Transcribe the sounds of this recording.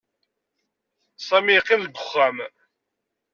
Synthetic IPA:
sˤɑmiqːinðɡʷʊχːæm

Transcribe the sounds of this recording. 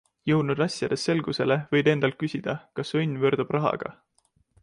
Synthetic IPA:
jɤwd̪nud̪̥ɑsʲjɑd̪̥e̞st̪ːe̞lɡ̥use̞le̞vɤjd̪e̞nd̪ɑlt̪̚kysʲid̪̥ɑkɑsɤjnʲːvøːrɾd̪̥ub̥rɑɦɑ̰ɡ̥ɑ̰

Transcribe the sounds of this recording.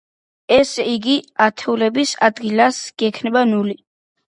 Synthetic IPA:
ɛsiɡiat̪ʰɛulɛbisa̰d̪ɡilasɡ̥ɛkʰnɛbanuli

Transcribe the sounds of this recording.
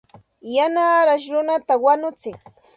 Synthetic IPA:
janaːɾaʃ̬ɾʊnat̪awanʊt͡sɪŋ

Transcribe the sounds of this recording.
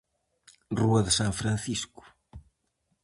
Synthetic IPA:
ruɐðəsãɱfɾãn̟θisku̥

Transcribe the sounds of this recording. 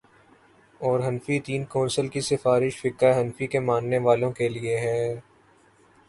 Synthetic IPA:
ɔːɾɦɐnfit̪iːnkɔ̃ːnsəlkisɪfaːɾɪʃfɪkəɦɐnfikemãːnneʋaːlõkelieɦɛː

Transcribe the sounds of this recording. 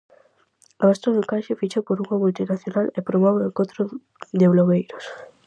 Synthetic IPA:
aast̪ɾoðokaʃefit͡ʃopoɾuŋamult̪inaθjonalepɾoβɔβekot̪ɾo | d̪eβloβejɾos

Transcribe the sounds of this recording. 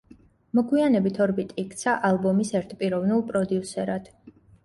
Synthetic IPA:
mɔɡwianɛbit̪ʰɔɾbit̪ʼiik̚ʼt̪sʰaʔalˠbɔmisɛɾt̪ʰpʼiɾɔvnilˠpʼɾɔd̪iusɛɾad̪̥

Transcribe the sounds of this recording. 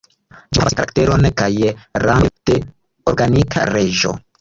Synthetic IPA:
d͡ʒiavakaɾakte̞ɾonkajɾakte | oɾɡanikʰa̰ɾe̞ʒo̞̰

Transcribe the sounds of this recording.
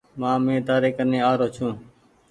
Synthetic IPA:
mãːmẽːt̪aːɾeːkənẽːaːɾoːt͡ʃʰũː

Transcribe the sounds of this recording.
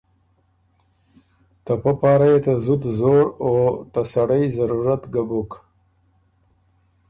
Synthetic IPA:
t̪apapɑːɾajet̪azud̪zoɾot̪asaɽəjzaɾuɾat̪ɡabuk

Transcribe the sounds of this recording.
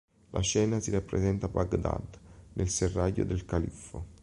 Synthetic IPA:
lʔaʃɛːnasiɾapːɾḛzɛnt̪abaɡd̪a̰d̪nʔelserːajːo̰d̪elkalifo

